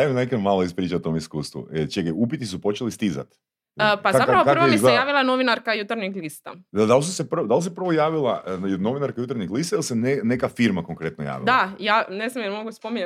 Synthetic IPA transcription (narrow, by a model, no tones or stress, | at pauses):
anekmalˠoispɾiːt͡ʃaot̪omiskuːst̪ʋṵət͡ʃeɡaupit̪is̬upo̞t͡ʃelist̪iza̰t̪ː | pazaaɾaokaɾisɡejaːʋilˠanoʋinaɾkajut̪aɾɲiɡlist̪a̰d̪ad̪alsusepr̩d̪alˠs̬epɾr̩ʋojaːʋilˠajod̪no̞ʋinaɾkajut̪aɾɲiɡlˠist̪ajelsenenekafiɾmakoŋkɾe̞t̪noja̰ːʋḭld̪ajaːneznamjeɾmoɡuspomiɲ